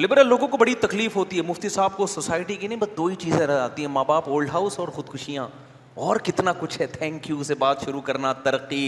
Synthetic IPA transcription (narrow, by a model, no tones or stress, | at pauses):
lɪbɾəlːoːɡõkobɐɽit̪ɐkliːfɦoːt̪iɦɛmʊft̪isaːb̚kosoːsaːɪʈikinɐɦĩbɐsd̪oːit͡ʃiːzẽɾɐa̰ːt̪iɦɛ̃maːbaːpoːlɖɦaːʊsɔːɾxʊd̪kʰʊʃijãː | ɔːɾkɪt̪nakʊt͡ʃʰɦɛt̪ʰɛ̃ːŋkjusebaːt̪ʃʊɾukɐɾnat̪ɐɾəqːi